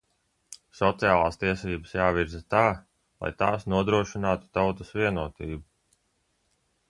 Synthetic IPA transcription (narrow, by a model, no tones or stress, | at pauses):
sɔt̪sijaːlˠaːst̪iɛsiːbasjaːviɾzat̪aː | lˠa̰jt̪aːsnuɔd̪ɾuɔʃinaːt̪u̥t̪awt̪usviɛnuɔt̪iːbu